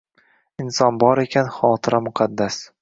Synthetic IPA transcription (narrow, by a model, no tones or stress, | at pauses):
ɪnsɒnbɒɾe̞kʲʰanχɒːt̪ʰɪɾamʊqʰɑd̪ːas